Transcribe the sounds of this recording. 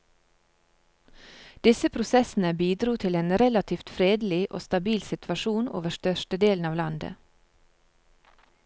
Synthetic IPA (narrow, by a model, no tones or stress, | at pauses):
d̪̥ɪsəpʰɾʊsɛsn̩əbiːd̪ɾuːt̪ʰɪleːnɾɛlɑt̪ʰiːft̪fɾeːd̪l̩ɪʔo̰ːst̪ɑbiːlsɪt̪ʰʋɑʃuːno̰ːʋəʃtœʃʈəd̪eːln̩ɑːʋlɑnd̪ə̰